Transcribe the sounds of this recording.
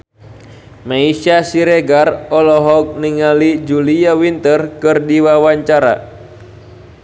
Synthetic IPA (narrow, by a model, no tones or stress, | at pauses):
maisasiɾɛɡarɔlɔɦɔk̚niŋalid͡ʒuliawint̪ərkɨrdiwawaɲt͡ʃaɾa̰